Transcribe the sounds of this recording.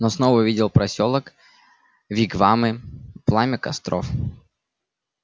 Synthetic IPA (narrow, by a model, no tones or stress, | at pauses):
nosnovəʊvʲidʲɪlˠpɾɐsʲolˠək | vʲiɡvamɨplˠamʲɪkɐ̰st̪ɾo̰f